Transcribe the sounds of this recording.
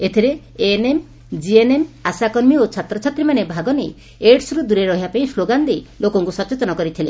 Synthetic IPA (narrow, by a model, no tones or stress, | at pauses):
et̪ʰiɾe | enem | d͡ʒienemasakɔɾmiot͡ʃʰat̪ɾɔt͡ʃʰat̪ɾimanebʱaɡɔne | eɖsɾud̪uɾeɾɔɦiapaĩsloɡand̪elokɔŋkusɔt͡ʃːot̪ɔnɔkɔɾit̪ʰile